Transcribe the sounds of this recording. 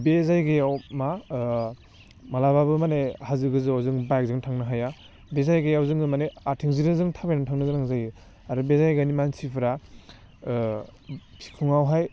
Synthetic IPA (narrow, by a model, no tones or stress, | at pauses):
bezajɡejawma | malababɯmanehazɯɡɯzɯawzɯŋbajk̚zɯŋtʰaŋnɯɦaja | bezajɡejawzɯŋɯmaneatʰiŋziɾɯŋzɯŋtʰabejnatʰaŋnɯɡɯnaŋzajɯ | aɾɯbezajɡanimansipʰɯɾa | pʰi̥kʰuŋawɦaj